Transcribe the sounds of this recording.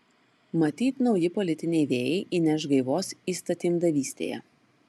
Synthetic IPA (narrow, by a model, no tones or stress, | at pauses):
mɐt̪ʲiːt̪nɒʊjɪpɔlʲɪt̪ʲɪnʲɛɪʋʲeːjɛɪʔinʲɛʃɡɐɪʋoːsiːst̪ɐt̪ʲiːmd̪ɐʋʲiːsʲt̪ʲḛːjɛ̰